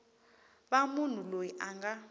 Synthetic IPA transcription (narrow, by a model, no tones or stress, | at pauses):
ɓamun̤ulojiʔaŋɡa